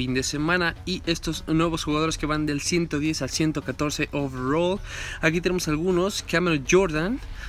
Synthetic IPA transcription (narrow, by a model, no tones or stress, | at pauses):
ind̪e̞se̞mãnaiʔe̞st̪o̞znwe̞β̞o̞sxuɣaðo̞ɾeske̞βand̪e̞lsje̞nt̪oðje̞salsje̞nt̪o̞kat̪o̞ɾse̞ʔofrolak̬it̪e̞ne̞mosalɣuno̞skameɾoʝoɾðan